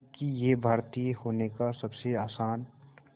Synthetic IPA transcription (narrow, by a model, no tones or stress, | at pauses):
kijebʱaːɾt̪ijhoːnekasɐbseaːsaːn